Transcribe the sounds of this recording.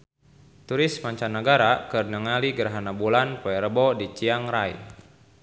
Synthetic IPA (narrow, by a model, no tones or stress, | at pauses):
t̪uɾɪsmaɲt͡ʃanːəɡaɾakərnəŋaliɡəɾaɦanabulanpoɛɾəbɔdit͡ʃiaŋraj̰